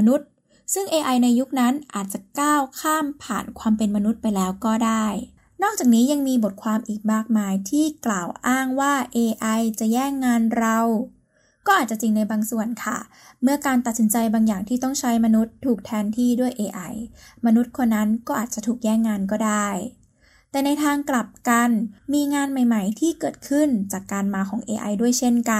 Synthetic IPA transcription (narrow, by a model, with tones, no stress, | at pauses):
nu˦˥t̪̚ | sɯ˥˩ŋʔeː˧ʔa˧jna˧jːu˦˥k̚na˦˥nʔaː˨˩t̪̚t͡ɕa˨˩kaː˥˩wkʰaː˥˩mpʰa̰ː˨˩nkʰwaː˧mpe˧nma˧nu˦˥t̪̚pa˧jlɛː˦˥wkɔː˥˩daː˥˩j | nɔː˥˩k̚t͡ɕaː˨˩k̚niː˦˥ja˧ŋmiː˧bo˨˩t̪̚kʰwaː˧mʔiː˨˩k̚maː˥˩k̚maː˧jt̪ʰiː˥˩klaː˨˩wʔaː˥˩ŋwaː˥˩ʔeː˧ʔa˧jt͡ɕa˨˩jɛː˥˩ŋːaː˧nɾa˧w | kɔː˥˩ʔaː˨˩t̪̚t͡ɕa˨˩t͡ɕi˧ŋna˧jbaː˧ŋsu˨˩ənkʰa̰˥˩ | mɯ˥˩ɐkaː˧nt̪a˨t̪̚si˩˦nt͡ɕa˧jbaː˧ŋjaː˨˩ŋt̪ʰiː˥t̪ɔ˥˩ŋt͡ɕʰa˦˥jma˧nu˦˥t̪ʰːuː˨˩k̚t̪ʰɛː˧nt̪ʰiː˥˩du˥˩əjʔeː˧ʔa˧jma˧nu˦˥t̪̚kʰo˧nːa˦˥nkɔː˥˩ʔaː˨˩t̪̚t͡ɕa˨˩t̪ʰuː˨˩k̚jɛː˥˩ŋːaː˧nk̬ɔː˥˩daː˥˩j | t̪ɛː˨˩na˧jt̪ʰaː˧ŋkla˨˩p̚ka˧nmiː˧ŋaː˧nma˨˩jma˨˩jt̪ʰiː˥˩kɤː˨˩t̪̚kʰɯ˥˩nt͡ɕaː˨˩kːaː˧nmaː˧kʰɔː˩˦ŋʔeː˧ʔa̰˧jdu˥˩əjt͡ɕʰe˥˩nka˧